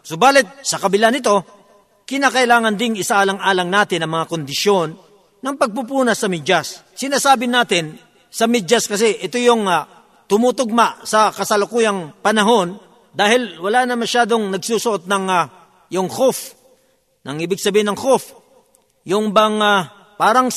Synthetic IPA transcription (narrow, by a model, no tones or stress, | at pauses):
sobaːlɪt̪̚sɐkɐbɪlanɪt̪o̞ | kɪnaːkɐʔɪlaːŋɐnd̪ɪŋɪsaalɐŋʔaːlɐŋnaːt̪ɪnɐŋmɐŋakond̪ɪʃjonː | ɐŋpɐɡ̚pup̬uːnɐsɐmɪd͡ʒas | sɪnaːsaːbɪnaːt̪ɪn | sɐmɪd͡ʒɐskɐs̬ɛʔɪt̪ojoŋ | t̪ʊmut̪oɡ̚maʔsɐkɐsɐlʊkuːjɐŋpɐnɐɦo̞n | d̪aːhɪlwɐlanɐmɐʃaːd̪o̞ŋnɐɡsusʊʔo̞t̪̚nɐŋ | jʊŋhof | nɐŋʔiːbɪɡsɐbiːhɪnɐŋhof | jʊŋbɐŋ | paːɾɐŋ